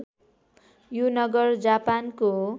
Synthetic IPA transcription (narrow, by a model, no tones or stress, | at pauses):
junʌɡʌrd͡zapanko